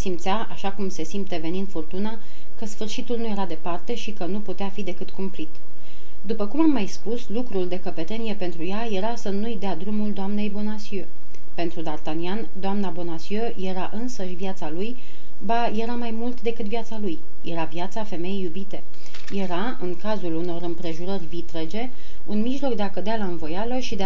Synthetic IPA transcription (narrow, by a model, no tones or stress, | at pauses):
simt̪sjaaʃakumse̞simpt̪e̞ve̞nind̪fort̪una | kəsfɨrʃit̪ulnuje̞ɾad̪e̞part̪e̞ʃikənuput̪eafid̪e̞kɨt̪kumpɾit̪ | d̪upəkumamːajspuslukɾuld̪e̞kəpe̞t̪e̞nije̞pe̞nt̪ɾujaje̞ɾasənujd̪ead̪ɾumuld̪oamne̞jbo̞nasiø | pe̞nt̪ɾud̪art̪aniand̪oamnabo̞nasiøje̞ɾaʔɨnsəʃʲvijat̪saluj | baje̞ɾamajmult̪d̪e̞kɨt̪vijat̪saluj | je̞ɾavjat̪safe̞me̞jejːubit̪e̞ | je̞ɾa | ɨŋkazuluno̞ɾɨmpɾe̞ʒuɾərʲvit̪ɾe̞d͡ʒe̞ | unmiʒlo̞kd̪e̞akəd̪ealaɨnvo̞jaləʃid̪e